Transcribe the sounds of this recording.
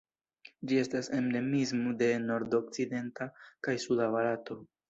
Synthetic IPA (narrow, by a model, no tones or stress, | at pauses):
d͡ʒie̞stase̞mde̞mizmode̞no̞ɾdo̞k̚t͡side̞ntakajsudavalato̞